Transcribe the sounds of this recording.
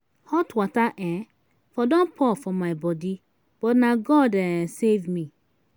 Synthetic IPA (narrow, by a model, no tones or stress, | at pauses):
hɔtwataʔɛ̃ | fɔdõnpʰɔfɔmaɪbɔdi | b̥ɔtnaɡɔdɛsevmi